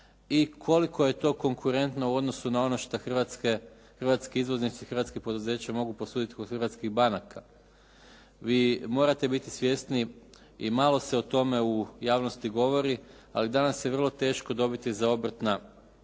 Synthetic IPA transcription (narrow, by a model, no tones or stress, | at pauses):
ikʰo̞likʰo̞je̞t̪o̞ːko̞ŋkʰuɾe̞nt̪nouo̞d̪no̞sunao̞d̪noʃt̪axrʋat̪ske | xrʋat̪skeizʋo̞znit̪sixr̩ʋat̪skepo̞d̪uze̞ːt͡ɕamo̞ɡupo̞suːd̪it̪i̥ko̞d̪xrɾʋat̪skiɣbanakʰa | ʋiːmo̞ːɾat̪e̞bit̪isʋje̞st̪ni | imaːlˠo̞se̞o̞t̪o̞me̞ujaːʋno̞st̪iɡo̞ʋo̞ɾi | alid̪anasjeʋr̩lˠo̞t̪e̞ːʃko̞d̪o̞bit̪izao̞br̩t̪na